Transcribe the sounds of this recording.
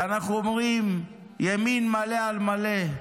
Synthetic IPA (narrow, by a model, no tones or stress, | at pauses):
anaχuomʁim | jaminmalealmale